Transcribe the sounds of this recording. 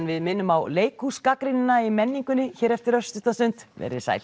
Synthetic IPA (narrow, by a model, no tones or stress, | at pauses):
nvɪðmɪnːʏmawleːjkhuskakɾɪnɪnaimɛnːiŋkʏnːɪçɛːɾɛft̪ɪɾœst̪ʏt̪asʏnt̪vɛ̰ɾɪ̰ɾ̥sa̰j